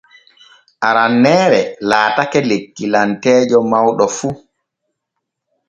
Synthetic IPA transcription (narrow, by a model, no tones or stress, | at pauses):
ʔaɾanːɛːɾɛlaːtakɛlekːilantɛːd͡ʒɔmawɗɔfu